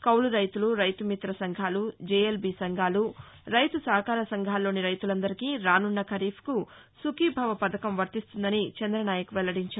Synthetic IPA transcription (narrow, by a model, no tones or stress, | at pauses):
kɐwluɾɐjt̪uluɾɐjt̪umit̪ɾɐsɐŋɡʱaːlud͡ʒeːelbisɐŋɡʱaːlu | ɾɐjt̪usɐːɐkaːɾɐsɐŋɡʱaːlːo̞ːniɾɐjt̪ulɐnd̪ɐɾikiːɾaːnuɳːɐkʰɐɾiːpʰku | sukibʱɐʋɐpɐd̪ɐkɐmʋɐɾt̪ist̪und̪ɐnit͡ʃɐnd̪ɾɐnaːjɐkuʋɛlːɐɽiɲt͡ʃaː